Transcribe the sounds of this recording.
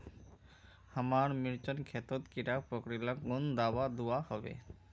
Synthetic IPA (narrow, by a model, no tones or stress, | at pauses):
hamaɾmiɾt͡ʃɔnkʰet̪ɔt̪kiɾapɾokɾilakund̪awad̪uahɔbḛ